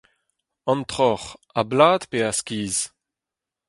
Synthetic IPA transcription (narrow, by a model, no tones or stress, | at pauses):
ɑ̃nt̪χɔʁablaːd̪peaskʲiːz